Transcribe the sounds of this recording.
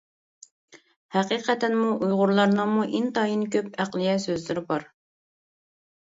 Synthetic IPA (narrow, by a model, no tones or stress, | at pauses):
hæqiːqʰɛt̪ʰɛnmuʔujʁʊɾlˠɑɾnɨŋmuʔint̪ɑjinkʲʰøpæqlˠɪjɛsøzlɪɾɪbɑɾ